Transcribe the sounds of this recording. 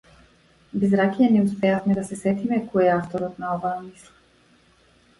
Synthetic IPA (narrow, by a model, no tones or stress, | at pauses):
bizɾakijɛnɛuspɛafmɛd̪asɛsɛt̪imɛkɔjɛaft̪ɔɾɔt̪naɔvaːmislˠa